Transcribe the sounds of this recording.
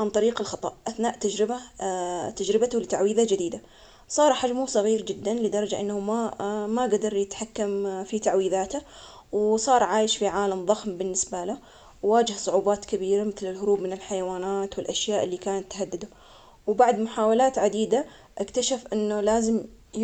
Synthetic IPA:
ʕant̪ˤɑɾiːqɪlxɑt̪ˤɑ̰ʔʔaθnaːʔt̪ad͡ʒɾɪba | t̪ad͡ʒɾɪbat̪ʊlɪt̪aʕwiːðad͡ʒɪd̪iːd̪a | sˤɑːɾˤħad͡ʒmʊsˤɑɣiːɾd͡ʒɪd̪ːanlɪd̪ɑɾˤɑd͡ʒaʔɪnːahʊmamaɡad̪ɑɾˤjɪt̪ħakːamfit̪aʕwiːðaːt̪a | wsˤɑːɾˤʕaːjɪʃfiʕaːlamðˤɑxmbɪnːɪsbala | wwaːd͡ʒɪhsˤʊʕuːbɑːt̪kabiːɾamɪθlɪlɦʊɾuːbmɪnɪlħajawaːnaːt̪wɪlʔaʃjaːʔɪlːiːkaːnat̪ːhad̪ːɪd̪ʊ | wbaʕd̪mʊħaːwalaːt̪ʕad̪iːd̪a | ʔakt̪aʃafʔɪnːʊlaːzɪm

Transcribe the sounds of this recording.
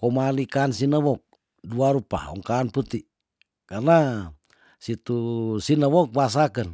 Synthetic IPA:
kɔmalikaːnsinəwɔk̚ | duaɾupa̰ɔ̰ŋkaːnput̪i | karna | sit̪usinawɔk̚bas̬akən

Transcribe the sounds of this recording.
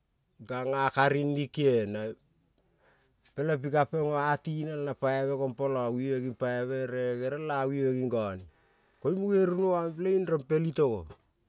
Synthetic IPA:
ɡaŋakaɾinːikena | pe̞lap̬ikapeŋoatinalnapajeβekompolowiβeɡinpajaβeɾeɡeɾalawiβeɡiŋɡoni | kojmuɡeɾunoaplainɾampe̞litoɡo̰

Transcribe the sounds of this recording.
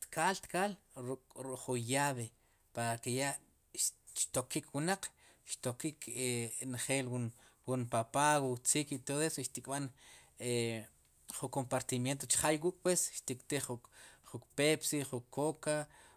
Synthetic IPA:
t̪kalt̪kal | ɾukʼɾukʼχunjaβe | paɾakeja | ʃʃt̪okikwunaq͡χ | ʃt̪okikʰenχeːlwunwunpapaɣot͡sikit̪oðoesoʃt̪ikʼɓan | e | χukompaɾt̪imjent̪̬ot͡ʃχajwuːkʼpwesʃt̪ikʼt̪eχuχukpepsiχukʰːoka

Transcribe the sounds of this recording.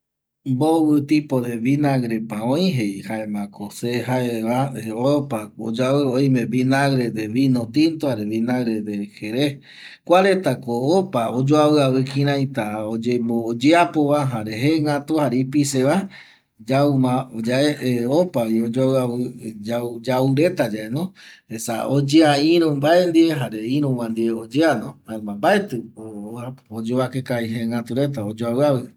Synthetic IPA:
mbowɨt̪ipod̪eβinaɣɾepãõĩɦejhaemãkoseɦaeβaoopao̰d͡ʒaβɨoj̃mẽbinaɣɾed̪eβinõt̪int̪ohaɾeβinaɣɾed̪eheɾe | kʷaɾet̪akoopaod͡ʒoaβɨaβɨkĩɾ̃ãjt̪aod͡ʒemod͡ʒeapoβaɦaɾeɦeŋat̪uhaɾeipiseβa | d͡ʒaumad͡ʒaeopaiod͡ʒawɨaβɨd͡ʒad͡ʒauɾe̞t̪ad͡ʒaʔenõhesa̰od͡ʒeaĩɾũmbaend̪ieɦaɾeĩɾũwãnd̪ieod͡ʒeanõaemambaet̪ɨoaod͡ʒoβakekaiɦeŋat̪uɾet̪̬aod͡ʒoaβɨaβɨ

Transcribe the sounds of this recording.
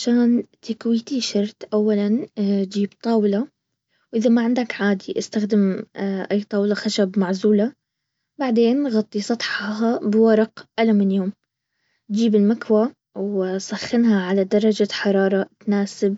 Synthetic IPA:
ʕaʃaːnt̪akwiːt̪iʃɑɾˤt̪ʔawːaland͡ʒiːbt̪ˤɑːwɪla | wʔɪðamaʕɪnd̪akʕaːd̪iʔɪst̪axd̪ɪmʔajːt̪ˤɑːwlɑxaʃabmaʕzuːla | baʕd̪eːnɣɑt̪ˤːisˤɑt̪ˤħɦabɪwɑɾˤɑqʔalamɪnjoːm | d͡ʒiːbɪlmakwa | wsˤaxːɪnhaʕalad̪ɑɾˤːɑd͡ʒaħɑɾˤɑːɾˤɑt̪naːsɪb

